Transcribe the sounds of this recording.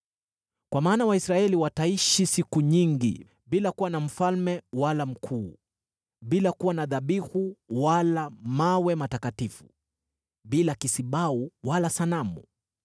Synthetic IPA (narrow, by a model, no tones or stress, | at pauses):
kwamaːnawaisɾaɛliwataiʃisikuɲiŋɡḭ | ɓilakuwanam̩falmɛwalam̩kʰuː | ɓilakuwanaðaɓihuwalamawɛmatakatifu̥̰ | ɓilakisiɓauwalasanamṵ